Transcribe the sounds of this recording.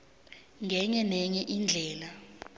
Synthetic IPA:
ŋɡɛɲɛnɛŋɛʔind͡ɮʱɛːla

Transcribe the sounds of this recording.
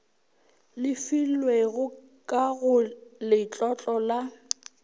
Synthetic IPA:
lɪfilweɣʊ | kʼaɣʊlɪt͡ɬʼɔt͡ɬʼɔla

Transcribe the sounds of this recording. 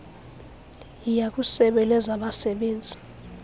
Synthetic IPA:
jijakʼusɛɓɛlɛzaɓasɛɓeːnd͡zʱi

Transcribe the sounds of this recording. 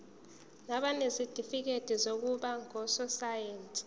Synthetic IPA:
naɓanezid̥ʱifik̬ed̥ʱizok̬uɓaŋɔsɔsajentʼ

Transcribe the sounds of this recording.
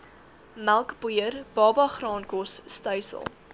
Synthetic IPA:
mælˠkbujərb̥ɑːbɑχrɑːnkɔsːtœjsə̰lˠ

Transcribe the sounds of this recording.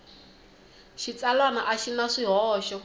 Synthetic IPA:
ʃit͡salwanaʔaʃinaʂiɦɔːʃɔ

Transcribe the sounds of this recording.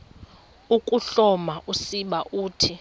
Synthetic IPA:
ukʼuɬɔmaʔusiɓaʔuːtʰi

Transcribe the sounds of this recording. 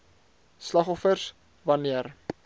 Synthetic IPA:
slɑχɔfərs | vɐniər

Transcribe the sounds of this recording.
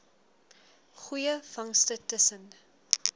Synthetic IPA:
χujəfɐŋstətəsən

